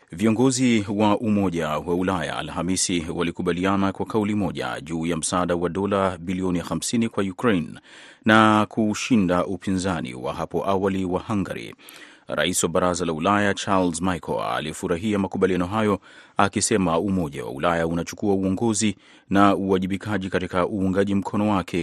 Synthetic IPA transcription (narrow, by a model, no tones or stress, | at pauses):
viɔŋɡɔziwaʔumɔʄawaulaja̰ːlhamisiwalikuɓalianakwakaulimɔʄa̰ʄuːjam̩saːɗawaɗɔlabiliɔnixamsinikwajukɾejnː | akʰuʃindaʔupinzanḭwa̰ɦapɔʔawaliwahaŋɡa̰ɾḭ | ɾa̰isiwaɓaɾazalaulajat͡ʃalzmajkʰɔ̰la̰liɛfuɾaɦiamakuɓalijanɔɦajɔakisɛmaumɔʄa̰wa̰ṵlajaunat͡ʃu̥kuauɔŋɡɔzi | nauaʄiɓikʰaʄikatikaʔuːŋɡaʄim̩kʰɔnɔwakʰɛ